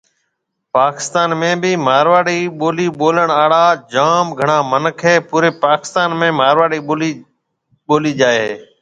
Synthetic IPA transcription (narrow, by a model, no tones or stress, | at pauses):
paːkɪ̥st̪aːnmẽːbiːmaːɾʋaːɽiːɓoːliːɓoːləɳaːɽaːd͡ʒaːmɡʱəɳaːmənəkʰeːpuːɾeːpaːkɪ̥st̪aːnmẽːmaːɾʋaːɽiːoːli | ɓoːliːd͡ʒaːeɦeː